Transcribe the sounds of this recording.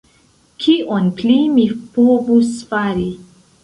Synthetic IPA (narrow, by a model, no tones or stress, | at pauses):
kʰiʔonplimipovusfaɾi